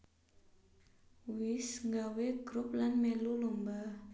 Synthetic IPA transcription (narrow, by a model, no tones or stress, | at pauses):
wɪsŋɡaweɡ̥ɾup̚lanmelulumba